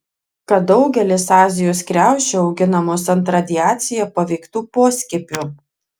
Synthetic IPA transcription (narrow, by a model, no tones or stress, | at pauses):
kɐt̪̚d̪ɒʊɡʲɛlʲɪsɑːzʲɪjoːskɾʲæˑʊʃʲt͡ʃʲɛɒʊɡʲɪnɐmoːsɐnt̪ɾɐd̪ʲɪjæːt̪sʲɪjɛpɐʋʲɛɪkt̪uːpoːsʲkʲɪpʲuː